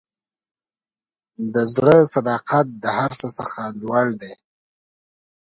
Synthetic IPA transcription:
d̪əzɽəsad̪ɑqat̪̚d̪əhaɾsəsəxalwald̪e

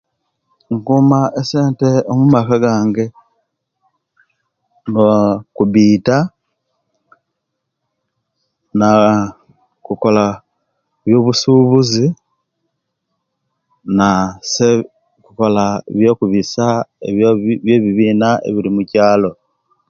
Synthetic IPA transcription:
ŋkumaʔese̞ːnte̞omumakaɡaːŋɡe̞ | ŋokuβiːta | na | kuko̞la | βjo̞ːβusuβuzi | nase | kuko̞laβjokuβisaeβjeβiβiːnaḛβiɾimucaːlo̞

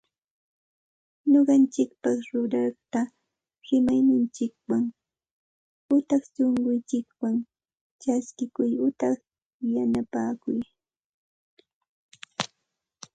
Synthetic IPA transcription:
ɲoɢɑnt͡ʃɪk̚pɑχɾʊɾɑχt̪a | hɪmajnɪnt͡ʃɪk̚waŋ | ʊt̪ɑχt͡ʃoɴɢʊnt͡ʃɪkwaŋ | t͡ʃaskɪkʊjʊt̪ɑχ | janapaːkʊj

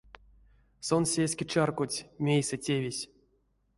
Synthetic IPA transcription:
sonsʲesʲkʲet͡ʃarkutʲmʲejsɛtʲevʲisʲ

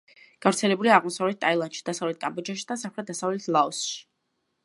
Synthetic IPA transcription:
ɡ̥avɾt̪sʰɛlɛbuliaːʁmɔsavlɛt̪̚ʰt̪ʼailˠand̪ʃi̥d̪̥asavlɛt̪̚kʼambɔd͡ʒaʃi̥d̪asamχɾɛt̪̚d̪asavlɛt̪ʰlˠaɔsʃi̥

